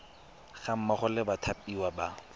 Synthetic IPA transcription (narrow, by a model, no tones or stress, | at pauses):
χam̩mɔχʊlɪbatʰapʼiwaba